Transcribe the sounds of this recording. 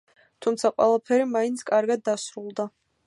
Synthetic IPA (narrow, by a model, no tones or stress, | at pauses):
t̪ʰumt̪sʰaqʼwɛ̰lˠapʰɛɾimaint̪sʰkʼaɾɡad̪ːasɾulˠd̪a